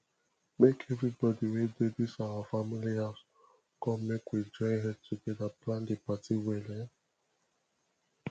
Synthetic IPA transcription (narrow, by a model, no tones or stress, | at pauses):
mekʰevɾibɔdiwededisawafamiliaz | kɔmekwed͡ʒɔiɦɛd̚tʰuɡɛdaplãndɪpatiwele